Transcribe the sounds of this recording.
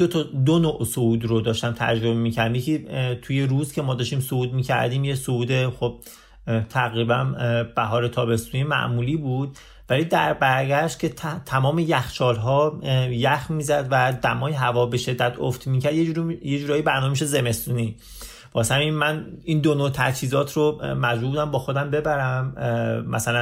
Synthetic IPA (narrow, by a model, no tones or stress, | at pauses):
d̪ot̪ʰɒd̪onoʔsouːd̪ɾo̞d̪ɒːʃt̪æmt̪ʰæ̰d͡ʒɾo̞bemiːcʰæɾd̪imjekʰit̪ʰuje̞ɾuːzcʰe̞mɒːd̪ɒːʃt̪iːmsouːd̪miːcʰæ̰ɾd̪iːmjesouːd̪e̞xob̥̚ | t̪ʰæɣɾibænb̥æɦɒːɾet̪ʰɒːbe̞st̪uːnimæ̰ʔmuːliːbuːd̪̥̚ | væliːd̪æɾbæɾɡæʃt̪̚cʰʲe̞t̪ʰæmɒːmejæxt͡ʃɒːlɦɒːjæxmiːzæd̪væd̪æmɒːjeɦævɒːbe̞ʃe̞d̪ːæt̪ʰoft̪miːkcʰæɾd̪jed͡ʒuɾjed͡ʒuːɾɒːjibæɾnɒːmemiʃ̬e̞ze̞me̞st̪uːni | b̥ɒshæminmæniːnd̪onot̪ʰæ̰t͡ʃhiːzɒːt̪ʰɾomæd͡ʒɾuɾbud̪æmbɒːxo̞d̪æmbe̞bæɾæmːæ̰sælæ